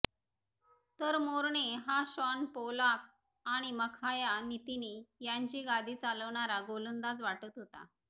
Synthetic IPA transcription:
t̪əɾmoɾɳeɦaɕəɳpolak̚ | aɽ̃iməkʰajanit̪inejaɲt͡ɕiːɡad̪ʱiːt͡saləʋɳaɾaɡolənd̪at͡sʋaʈət̪ɦot̪a̰

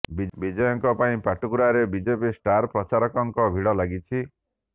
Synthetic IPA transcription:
bibid͡ʒɔjɔŋkɔpaĩpaʈukuɾaɾebid͡ʒepisʈaɾpɾɔt͡ʃaɾɔkɔŋkɔbʱiɽɔlaɡit͡ʃʰi

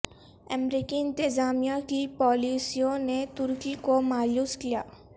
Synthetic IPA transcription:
ɐmɾiːkiɪ̃nt̪ɪzaːmijakipɔːliːsijõnet̪ʊɾkikomaːjjuːskijaː

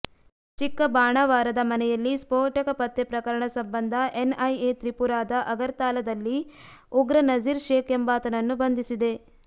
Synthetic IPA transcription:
t͡ʃikːɐbaːɳɐʋaːɾɐd̪ɐmɐnɛjɐlːispoːʈɐkɐpɐt̪ːepɾɐkɐɾɐɳɐsɐmbɐnd̪ʱɐʔenɐjet̪ɾipuɾaːd̪ɐʔɐɡɐɾt̪aːlɐd̪ɐlːiuɡɾɐnɐd͡ʒiɾʃeːkembaːt̪ɐnɐnːubɐnd̪ʱisid̪e̞

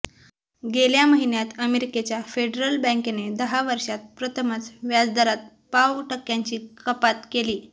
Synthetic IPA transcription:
ɡeljaməɦinjat̪əmeɾiket͡ɕjafeɖɾəlbə̃ŋkened̪əɦaʋəɾʂat̪̚pɾət̪ʰəmət͡sʋjad͡zd̪əɾat̪̚ | pawʈəkːjaɲt͡ɕiːkəpat̪keliː

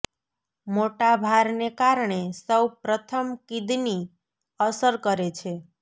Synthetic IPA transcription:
moʈabʱaɾnekaɾɳesəwpɾət̪ʰəmkid̪ni | əsəɾkəɾet͡ʃʰe

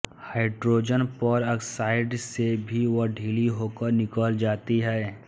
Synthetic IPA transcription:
haːɪɖɾoːd͡ʒənpɔɾəksaːɪɖsebʱiʋəɖʱiːliɦoːkəɾnɪkəːld͡ʒaːt̪iɦɛː

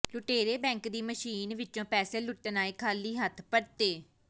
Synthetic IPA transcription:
lʊʈeːɾeːbɛ̃ːŋkd̪iːməʃiːnʋɪt͡ʃõːpɛːseːlʊʈːnaːeːkʰaːliːɦət̪ʰpəɽt̪eː

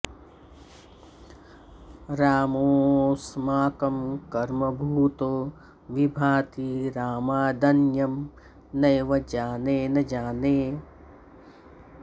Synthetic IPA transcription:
ɾaːmoːsmaːkɐmkɐɾmɐbʱuːt̪oː | ʋibʱaːt̪iɾaːmaːd̪ɐnjɐm | nɐjʋɐd͡ʒaːneːnɐd͡ʒaːneː

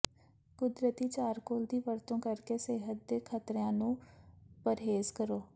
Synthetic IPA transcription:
ɡ̥ʊd̪ɾət̪iːt͡ʃaːɾkoːld̪iːʋəɾt̪õːkəɾkeːseːɦət̪̚d̪eːkʰət̪ɾjãːnũːpəɾɦeːzkəɾoː

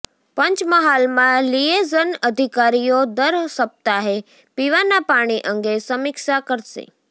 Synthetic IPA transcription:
pəɲt͡ʃməɦalmãliezənəd̪ʱikaɾijod̪əɾsəp̚t̪aɦe | piʋanapaɽ̃iʔəŋɡesəmikʃakəɾʃḛ

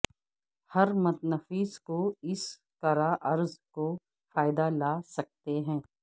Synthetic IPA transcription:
hɐɾmɐt̪nəfiːskoɪs | kɐɾaːʔɐɾzko | faːɪd̪alaːsɐk̚t̪eɦɛ̃ː

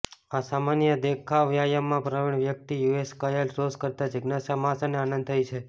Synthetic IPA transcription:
asamanjəd̪ekʰaʋjajamːãpɾəʋiɳ̃ʋjək̚t̪ijueskajəlɾoskəɾt̪ad͡ʒɪɡnasamasaneanə̃nd̪̚t̪ʰəjit͡ʃʰe

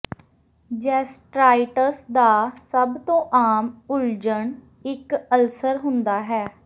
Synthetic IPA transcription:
d͡ʒɛːsʈɾaːɪʈəsd̪aːsəbt̪õːʔaːmʊld͡ʒəɳ | ɪkəlsəɾɦʊnd̪aːɦɛː

